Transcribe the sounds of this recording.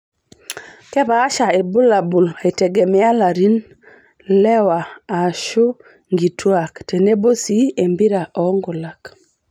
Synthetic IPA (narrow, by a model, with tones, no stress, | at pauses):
kɛ˦baː˨˦ʃa˨i˨bu˦la˨bu˨la˨i˨tɛ˨ɡe˨mɛ˦a˦la˨ɾi˦n | lɛ˦waː˨ʃu˦ | ŋɡi˨tʰwa˨ktɛ˨ne˦bo˦si˦e˨mbi˦ɾa˨ʔɔ˦ŋɡʊ˨la˨k